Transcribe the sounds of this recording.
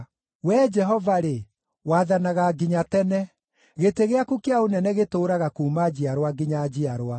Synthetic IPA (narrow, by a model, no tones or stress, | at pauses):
wɛːd͡ʒɛɦɔvaɾe | waðanaɣaɡiɲatɛnɛ | ɣeteɣeakukeaonɛnɛɣetoːɾaɣakumad͡ʑiaɾwaɡiɲad͡ʑiaɾwa